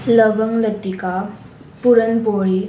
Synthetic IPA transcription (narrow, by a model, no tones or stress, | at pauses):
lɐbɐŋlɐt̪ika | puɾɐnpoɾi